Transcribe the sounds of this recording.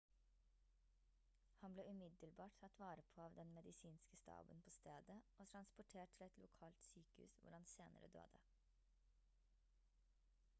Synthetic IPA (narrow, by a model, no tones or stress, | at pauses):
hɑnbleːʔʉmɪd̪əlbɑːʈt̪ʰɑt̪ʋɑːɾəpʰoːɑːʋd̪ɛnmɛd̪ɪsiːnskəst̪ɑ̰ːbənpʰoːst̪eːd̪əʔoːt̪ʰɾɑnspʊʈʰeːʈ̚t̪ʰɪlɛt̪lʊkʰɑːlt̪syːkəhʉ̰ːsʋʊ̰ɾhɑnseːnə̰ɾə̰d̪ø̰ːd̪ə